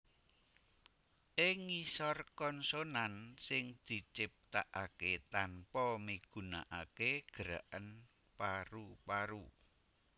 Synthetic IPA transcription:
ʔɪŋisɔrkɔnsonansɪŋd̪̥i̤t͡ʃɪp̚t̪aʔaket̪anpɔmiɡ̥ṳna̰ʔakeɡ̥əɾa̰ʔən | paɾupaɾu

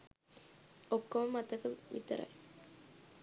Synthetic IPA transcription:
okːoməmat̪əkəʋḭt̪əɾa̰j

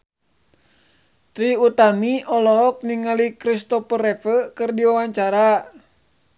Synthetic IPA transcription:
t̪ɾiut̪amiɔlɔɦɔk̚niŋalikɾist̪ɔpəɾɛfəkɨrdiwawaɲt͡ʃaɾa

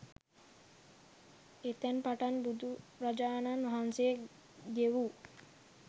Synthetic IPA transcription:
et̪ɛnpaʈanbud̪uɾad͡ʒaːnanʋɦanseje | d̪eʋu

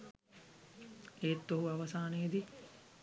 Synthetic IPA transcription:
eːt̪ːoɦuaʋɐsaːnejed̪i

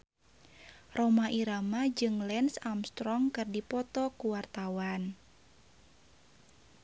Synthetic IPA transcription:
romaʔiɾamad͡ʒɨŋlɛnsamst̪ɾɔŋkɨrdipɔt̪ɔkuwart̪awan

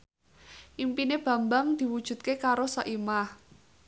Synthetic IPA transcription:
ʔimpineb̥ä̤mbaŋd̪̥i̤wud̥ʒ̥ṳt̪̚kekaɾosaʔimah

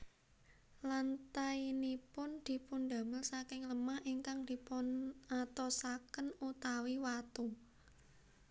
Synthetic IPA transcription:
lant̪ainipʊnd̪̥i̤pund̪a̤məlsakɪŋləmahʔiŋkaŋd̪̥i̤pʊnat̪ɔsakənut̪awiwat̪u

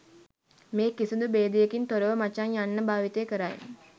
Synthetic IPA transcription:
meːkisund̪ubeːd̪ijekint̪oɾəʋəmat͡ʃaɲjanːəbaːʋit̪eːkəɾaj̰

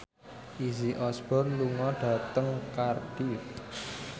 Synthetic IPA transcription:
ʔiziʔɔsb̥ɔrluŋɔɖ̥ä̤t̪əŋkard̥iwɪt̪̚

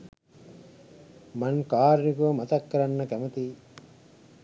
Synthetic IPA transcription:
mɐŋkaːɾnikuʋɐmɐt̪ɐkːɐɾɐnːɐkæmɐt̪iː

